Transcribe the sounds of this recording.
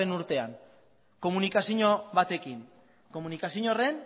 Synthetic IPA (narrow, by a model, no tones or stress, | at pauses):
enuɾt̪e̞a̰ŋ | ko̞munikasiɲo̞βat̪e̞kiŋ | ko̞munikasiɲo̞re̞n